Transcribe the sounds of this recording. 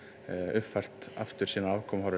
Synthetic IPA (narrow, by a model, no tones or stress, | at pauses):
ʏfar̥t̪aft̪ʏɾ̥siːnaaːwkʰɔmhaɾ